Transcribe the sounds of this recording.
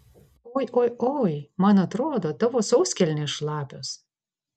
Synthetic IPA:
oːjʔojoːjmɐnɐt̪ɾoːd̪oːt̪ɐʋoːsɐʊsʲkʲɛlʲnʲeʃlˠɑːpʲos

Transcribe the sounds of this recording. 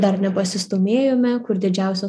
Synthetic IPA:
d̪ɐɾnʲɛpɐsʲɪst̪oːmʲeːjoːmʲɛkʊɾd̪ʲɪd͡ʒʲæˑʊsʲo

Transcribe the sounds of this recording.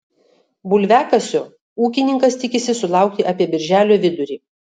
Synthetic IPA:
bʊlʲʋʲæːkɐsʲoː | uːkʲɪnʲɪŋkɐst̪ʲɪkʲɪsʲɪsʊlˠɑˑʊk̚t̪ʲɪʔɐpʲiɛbʲɪɾʲʒʲæːlʲoːʋʲɪd̪ʊɾʲiː

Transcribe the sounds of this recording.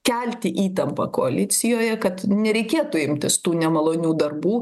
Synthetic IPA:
kʲɛlʲt̪ʲɪʔiːt̪ɐmpɐ̰koɐlʲɪt̪sʲɪjoːjɛkɐt̪nʲɛɾʲɛɪkʲeːt̪ʊɪmʲt̪ʲɪst̪uːnʲɛmɐlˠoːnʲuːd̪ɐrbuː

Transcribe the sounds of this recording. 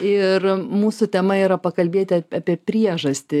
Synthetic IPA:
ɪrmuːsʊt̪ʲɛmɐiːɾɐpɐkɐlʲbʲeːt̪ʲɪɑːpʲiɛpʲɾʲiɛʒɐsʲt̪ʲɪ

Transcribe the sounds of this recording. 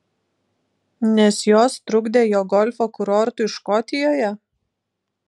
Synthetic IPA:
nʲɛsjoːst̪ɾʊɡd̪ʲeːjoːɡɔlʲfoːkʊɾɔːɾt̪ʊɪʃkɔt̪ʲɪjoːjɛ

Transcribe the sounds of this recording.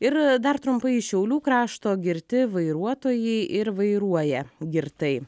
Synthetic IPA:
ɪɾd̪ɐɾt̪ɾʊmpɐɪʃʲɛʊlʲuːkɾɑːʃt̪oːɡʲɪɾʲt̪ʲɪʋɐɪɾuɔt̪oːjɛɪʔɪɾʋɐɪɾuɔjɛɡʲɪɾt̪ɐɪ

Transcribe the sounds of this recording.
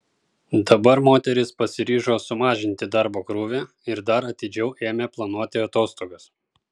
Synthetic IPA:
d̪ɐbɐɾmoːt̪ʲɛɾʲɪspɐsʲɪɾʲiːʒoːsʊmɑːʒʲɪnʲt̪ʲɪd̪ɐɾboːkɾuːʋʲe | ɪɾd̪ɐɾɐt̪ʲɪd͡ʒʲɛʊʔeːmʲeːplˠɐnuɔt̪ʲɪɐt̪oːst̪oːɡɐs

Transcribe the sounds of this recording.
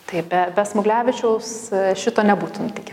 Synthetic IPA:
t̪ɐɪbʲɛbʲɛsmʊɡlʲæːʋʲɪt͡ʃʲɛʊsʃʲɪt̪oːnʲɛbuːt̪ʊnt̪ʲɪkʲ

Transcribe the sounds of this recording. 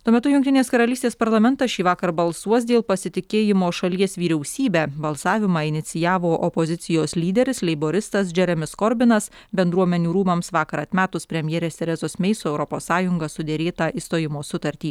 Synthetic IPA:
t̪uɔmʲɛt̪ʊjʊŋktʲɪnʲeːskɐɾɐlʲiːst̪ʲeːspɐɾlˠɐmʲɛnt̪ɐʃʲiːʋɑːkɐɾbɐlˠsuɔs̬d̪ʲeːlˠpɐsʲɪt̪ʲɪkʲeːjɪmoːʃɐlʲiɛsʋʲiːɾʲɛʊsʲiːbʲæːbɐlˠsɑːʋʲɪmɑːɪnʲɪt̪sʲɪjæːʋoːʔɔpozʲɪsʲɪjoːslʲiːd̪ʲɛɾʲɪslʲɛɪboːɾʲɪst̪ɐs̬d͡ʒʲɛɾʲɛmʲɪskɔɾʲbʲɪnɐs | bʲɛnd̪ɾuɔmʲɛnʲuːɾuːmɐmsʋɑːkɐɾɐt̪ʲmʲæːt̪ʊspʲɾʲɛmʲjɛːɾʲeːst̪ʲɛɾʲɛzoːsmʲɛɪsoːɛʊɾɔpoːsːɑːjʊŋɡɐsʊd̪ʲɛɾʲeːt̪ɑʔist̪oːjɪmoːsʊt̪ɐɾʲt̪ʲiː

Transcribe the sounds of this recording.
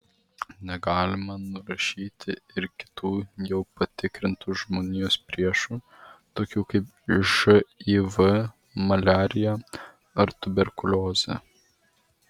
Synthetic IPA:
nʲɛɡɑːlʲɪmɐnʊɾɐʃʲiːt̪ʲɪɪɾkʲɪ̥t̪uːjɛʊpɐt̪ʲɪkɾʲɪnt̪uːʒmoːnʲijoːspʲɾʲiɛʃuː | t̪oːkʲuːkɐɪp | ʒɨiːʋɨ | mɐlʲæːɾʲɪjɛ | ɐɾt̪ʊbʲɛɾkʊlʲoːzʲɛ̰

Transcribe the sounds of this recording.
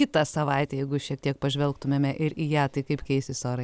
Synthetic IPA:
kʲɪt̪ɑsɐʋɐɪt̪ʲɛjɛɪɡʊʃʲiɛk̚t̪ʲiɛk̚pɐʒʲʋʲɛlˠkt̪ʊmʲeːmʲɛʔɪɾiːjæːt̪ɐɪkɐɪpkʲɛɪsʲɪsoːɾɐɪ

